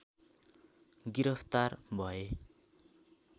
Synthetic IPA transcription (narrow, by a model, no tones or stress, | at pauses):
ɡiɾʌpʰt̪arbʱʌe